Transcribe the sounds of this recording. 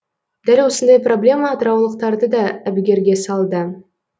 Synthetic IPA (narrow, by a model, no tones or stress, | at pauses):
d̪̥ælwo̞sənd̪ɑjpro̞blʲe̞mɑd̪əɾɑwlˠəq̚t̪ɑɾd̪əd̪ɑæbɪɡʲe̞ɾɡʲe̞sɑlˠd̪ə